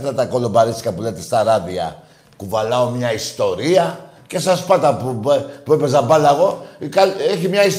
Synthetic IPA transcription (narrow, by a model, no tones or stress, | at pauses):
t̪ɐt̪ɐko̞lo̞bɐɾiskɐpulet̪est̪ɐɾɐðiɐ̰ | kuvɐlɐo̞mɲɐist̪o̞ɾiɐ | ce̞sɐspɐt̪ɐpupuepe̞zɐbɐlɐɣo̞kɐleçimɲɐis